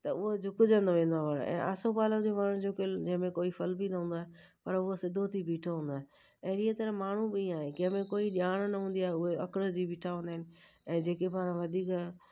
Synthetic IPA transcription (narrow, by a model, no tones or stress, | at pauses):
t̪ɐʊɦod͡ʑʱʊkʊd͡ʑə̃nd̪oʋẽːnd̪aʋəɽɛ̰̃ːʔa̰ːsopaːləd͡ʑoːmaːɳ̤ũd͡ʑokɪd͡ʑɪ̃ɦə̃mẽkoːifɐlbinɐɦũːnd̪aːɦepɐɾʊɦosɪd̪ʱot̪ʰibʱiːʈʰoɦũːnd̪aːɦẽ | ɛ̃ːɾiːet̪ɐɾmaːɳ̤ubɪĩaːɦekɪ̃ɦə̃mẽkoːiɗɪaːɽ̃nɐɦũːnd̪iaːɦeʊɦeɐkɪɾəd͡ʑiːbʱiːʈʰaɦũːnd̪aɦɪnɪ̆ | ɛ̃ːd͡ʑeːkebaːɾə̃ʋɐd̪ʱiːk